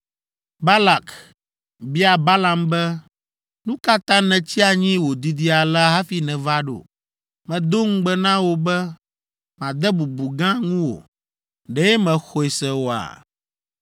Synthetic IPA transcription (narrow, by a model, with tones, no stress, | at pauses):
ba˦la˨k | bi˦a˨ba˦la˨mbɛ˦ | nũ˦ka˦t̪ã˦nɛ̃˨t͡ɕi˦a˨ɲĩ˦wo˨d̪i˨d̪i˦a˨la˦ɦa˦fi˨nɛ̃˨va˦ɖo̰˨ | mɛ̃˨d̪o˦ŋ̩˦ɡ͡bɛ˦nã˦wo˦bɛ˦ | mã˨d̪ɛ˦bu˨bu˨ɡã˦ŋũ˦wo̰˨ | ɖɛ˦jɛ˦mɛ̃˨xɔ˨e˨sɛ˦wo˦a̰˨